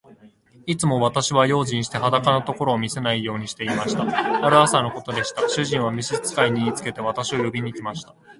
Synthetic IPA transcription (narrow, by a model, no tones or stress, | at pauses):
it͡sɨmo̞β̞at̪aɕiβajo̞ːʑĩɰ̃ɕi̥t̪e̞ɦad̪akanot̪o̞ko̞ɾo̞ːmʲise̞naijo̞ːɲ̟iɕi̥t̪e̞imaɕi̥t̪aaɾɯ̟asano̞ko̞t̪o̞d̪e̞ɕi̥t̪aɕɨʑĩɰ̃βamʲiɕit͡sɨ̥kaiɲ̟iit͡sɨ̥ke̞t̪e̞βat̪aɕiojobʲiɲ̟ikʲimaɕi̥t̪ḁ